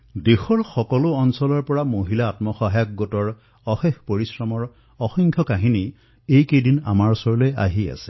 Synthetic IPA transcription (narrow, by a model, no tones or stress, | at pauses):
dexɔɹxɔkɔlʊɔnsɔlɔɹpɔɹamoɦilaːtmɔxɔɦajkɡɔtɔɹ | ɔxexpoɹisɹɔmɔɹ | ɔxɔŋkʰjɔkaɦini | ejkejdina̰maɹsɔɹloja̰ɦia̰sɛ̥